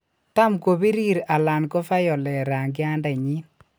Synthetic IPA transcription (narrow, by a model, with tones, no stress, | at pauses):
ta˦mko˨βi˦ɾi˦ɾa˨la˨nko˦fa˦jɔ˨lɛ˨ɾa˨ŋɡɪ˦a˦nda˨ɲi˦n